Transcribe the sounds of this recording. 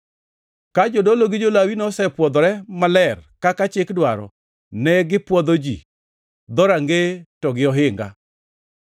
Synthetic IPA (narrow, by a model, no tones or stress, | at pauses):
kad͡ʒodoloɡɪd͡ʒolawinɔsɛpwɔd̪ɔɾɛmalɛrkakat͡ʃɪkdwaɾɔ̰ | nɛɡɪpwɔd̪od͡ʒḭ | d̪ɔɾaŋɡetɔɡɪɔɦɪŋɡa̰